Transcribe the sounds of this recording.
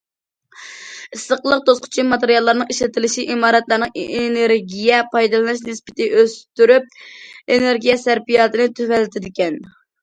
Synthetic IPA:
ɨsːəqlˠəq̚t̪osqʰʊ̥t͡ʃʰimɑt̪eɾjɑlˠːɑɾnɨŋeʃlɪt̪ʰɪlɪʃiʔimɑːɾɛt̪lˠɑɾnɨŋeneɾɡʲijɛpʰɑjd̪ɨlˠɨnɨʃnɨspɪ̥t̪ʰɪʔøst̪yɾyp̚eneɾɡʲijɛsæɾpijɑːt̪ɨnɨt̪ʰøvɛlːɪt̪ʰɪd̪ɪkʲɛn

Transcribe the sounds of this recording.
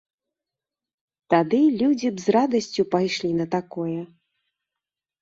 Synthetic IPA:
t̪ad̪ɨlʲud͡zʲibzrad̪ɐsʲt͡sʲupajʂlʲinɐt̪akɔjɛ

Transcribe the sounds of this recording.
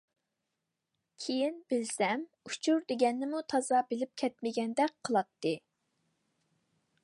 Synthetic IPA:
kʲʰejinbɪlsɛm | ut͡ʃʰuɾd̪eɡʲɛnːɪmut̪ʰɑzɑbɪlɪp̚kʲʰɛt̪mɪɡʲɛnd̪ɛk̚ʲqʰːəlˠɑt̪ːɨ

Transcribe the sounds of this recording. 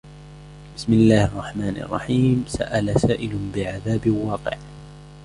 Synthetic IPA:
bɪsmɪlːaːhɑrˤːɑħmaːnʔɑ̰rˤːɑ̰ħiːmsa̰ʔalasaːʔɪlbɪʕaðaːbɪwɑːqɪ̰ʕ

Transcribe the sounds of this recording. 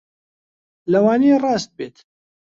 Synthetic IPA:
lɐwɑːnerɑːst̪̚beːt̪

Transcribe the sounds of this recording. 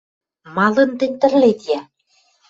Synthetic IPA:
mɑlɤ̆nt̪ɘ̆nʲt̪ɘ̆rlet̪jæ

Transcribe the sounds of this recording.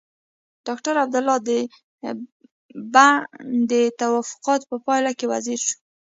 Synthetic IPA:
ɖ̥ɑkʈaɾab̚d̪ʊlɑd̪ə | bad̪ət̪awɑfʊ̥qɑt̪pəpɑjlakewa̰ziɾʃu̥

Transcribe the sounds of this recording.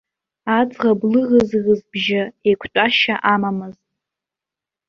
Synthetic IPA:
ad͡zʼʁablɨɣɨzɣɨzbʒɪejkʷʰtʷʼaʃaʔamamɨztʼ

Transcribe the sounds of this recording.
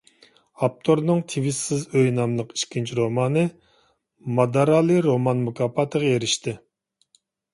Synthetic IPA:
ɑp̚t̪ʰoɾnɨŋt̪ʰiwisːɪzøjnɑmlˠəqi̥ʃkʲʰint͡ʃʰɾomɑːnɨ | mɑd̪ɑɾɑːlˠɨɾomɑnmukʰɑpːɑt̪ʰəʁɑeɾɪʃt̪ʰɪ

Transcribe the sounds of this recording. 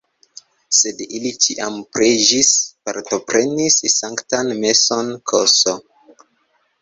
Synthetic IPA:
se̞dilit͡ʃiʔampɾed͡ʒispaɾto̞pɾe̞nissaŋktanme̞so̞nkʰoso

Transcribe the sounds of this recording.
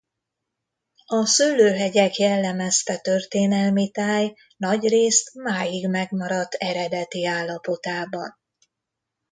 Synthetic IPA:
ɒsylːøːɦɛɟɛkjɛlːɛmɛst̪ɛt̪ø̞rt̪eːnɛlmit̪aːj | nɒɟreːst̪maːjiɡmɛɡmɒɾɒt̪ːɛɾɛd̪ɛt̪iaːlːɒpo̞t̪aːbɒ̰n

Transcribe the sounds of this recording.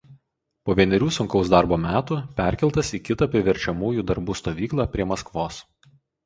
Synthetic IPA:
poːʋʲiɛnʲɛɾʲuːsʊŋkɒʊsd̪ɑˑɾboːmʲæːt̪uːpʲɛˑɾʲkʲɛlˠt̪ɐsiːkʲɪt̪ɐˑpʲɾʲɪʋʲɛɾʲt͡ʃʲɛmuːjuːd̪ɐɾbuːst̪oːʋʲiːklˠɑːpʲɾʲiɛmɐskʋoːs

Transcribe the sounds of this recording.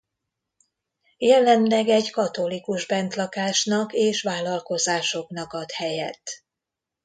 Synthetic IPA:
jɛlɛnlɛɡɛɟkɒt̪o̞likuʒbɛnt̪lɒkaːʃnɒkeːʃʋaːlɒlko̞zaːʃo̞knɒkɒt̪hɛjɛ̰t̪ː

